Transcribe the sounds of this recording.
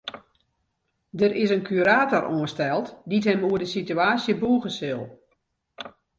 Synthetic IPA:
dəɾɪsənkʰyɾaːtoroənstɛlˠtdithɛmuədəsityaːsjəbuːɣəsɪlˠ

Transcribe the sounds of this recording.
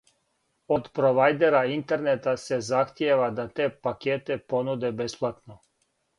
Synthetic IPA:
ot̪pɾoʋajd̪eɾaint̪eɾnet̪asezaxt̪jeʋad̪at̪eːpakeːt̪eponud̪ebesplˠat̪no

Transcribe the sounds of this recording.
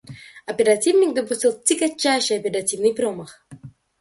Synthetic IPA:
ɐpʲɪɾɐtʲivnʲɪk̚d̪əp̬ʊsʲtʲilˠt̪ʲɪɡɐt͡ɕːajʂɨjɐpʲɪɾɐtʲivnɨjpɾoməx

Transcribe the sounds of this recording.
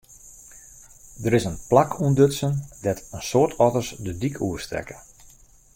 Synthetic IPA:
dəɾɪsənplakʰuəndøtsəndɛtənsoːrtʰɔtərsdədikʰuəstrɛ̰kə

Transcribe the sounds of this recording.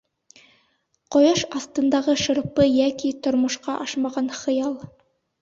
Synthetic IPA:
qojɑʃɑst̪ɤ̆nd̪ɑʁɤʃɤ̆ɾɤ̆ppːɤjækit̪ŏɾmŏʃqɑʔɑʃmɑʁɑnχɤ̆jɑlˠ

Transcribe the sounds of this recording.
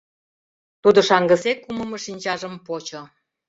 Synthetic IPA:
t̪ud̪ŏʃɑŋɡə̆sekuməmə̆ʃinʲt͡ɕɑʒəmpot͡ɕo

